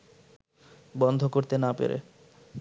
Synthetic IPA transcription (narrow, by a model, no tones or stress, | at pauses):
bɔnd̪ʱokoɾt̪enapḛɾḛ